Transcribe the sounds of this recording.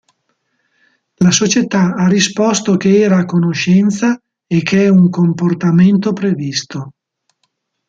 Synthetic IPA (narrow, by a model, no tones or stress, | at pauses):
lasot͡ʃet̪aarːispɔst̪okeɛːɾakonoʃɛnt̪sa | ekʰːeɛuŋkomport̪ament̪opɾevist̪o